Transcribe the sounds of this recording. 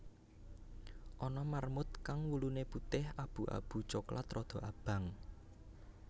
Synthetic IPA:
ʔɔnɔmarmʊt̪̚kaŋwuluneput̪ɪhab̥ṳʔa̰b̥ṳ̥t͡ʃokla̰t̪ɾɔd̪̥ɔ̤ʔab̥ä̤ŋ

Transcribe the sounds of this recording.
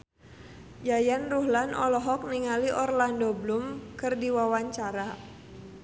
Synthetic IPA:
jajanruhlanʔɔ̰lɔɦɔk̚niŋaliʔɔrlandoblumkɨrdiwawaɲt͡ʃaɾa

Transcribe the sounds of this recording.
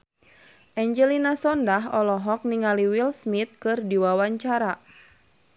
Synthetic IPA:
ʔɛɲd͡ʒɛlinasɔndaɦɔlɔɦɔk̚niŋaliwilsmit̪̚kɨrdiwawaɲt͡ʃaɾa

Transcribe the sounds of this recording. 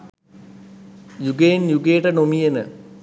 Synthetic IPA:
juɡenjuɡejʈənomijenə̰

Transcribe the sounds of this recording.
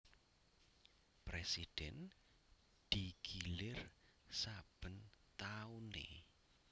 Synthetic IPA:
pɾesid̥ɛn | d̪̥ikʰilɪrsab̥ənt̪aunḛ

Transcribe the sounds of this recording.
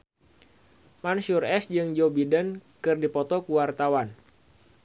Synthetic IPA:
mansurɛsd͡ʒɨŋd͡ʒobidənkɨrdipɔt̪ɔkuwart̪awan

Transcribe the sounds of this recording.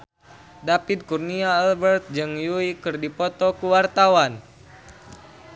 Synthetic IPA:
dapid̪̚kurniaːlbɛrt̪̚d͡ʒɨŋjuikɨrdipɔt̪ɔkuwart̪awan

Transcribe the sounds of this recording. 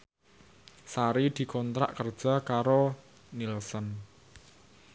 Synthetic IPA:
saɾid̪̥i̤kɔnt̪ɾa̰ʔkərd̥ʒ̥a̤kaɾo | nilsən

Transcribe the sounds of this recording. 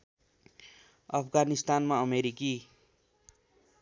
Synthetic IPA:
ʌpʰɡanist̪anmaʌmeɾiki

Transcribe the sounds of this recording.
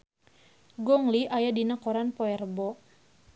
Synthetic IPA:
ɡɔŋliʔajadinakɔɾanpɔɛrbɔ

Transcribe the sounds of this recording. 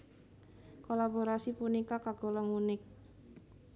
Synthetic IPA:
kolaboɾasipunikakaɡ̥olamunɪk̚

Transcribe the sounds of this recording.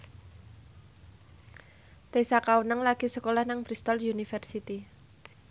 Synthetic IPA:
t̪esakawənəŋlaɡ̥isəkolahnaŋpɾist̪ɔljunifɛrsit̪i

